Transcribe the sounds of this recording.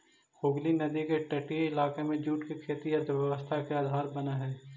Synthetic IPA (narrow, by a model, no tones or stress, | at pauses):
xoːɡlinɐd̪ikeʈɐʈiɪlaːkemẽd͡ʒuːʈkekʰeːt̪iɔːɾd̪ʊɾʋɛʋəst̪ʰakeaːd̪ʱaːɾbɐnaɦɛː